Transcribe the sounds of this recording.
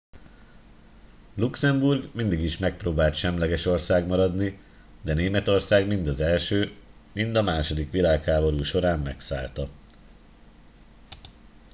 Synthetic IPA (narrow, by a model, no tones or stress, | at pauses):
luksɛmburɡmind̪iɡiʃmɛk̚proːbaːlt̪ʃɛmlɛɡɛʃo̞rsaːɡmɒɾɒd̪ni | d̪ɛneːmɛt̪o̞rsaːɡmind̪ɒzɛlʃøːmind̪ɒmaːʃo̞d̪ikʋilaːkhaːbo̞ɾuːʃo̞ɾaːmmɛksa̰ːlt̪ɒ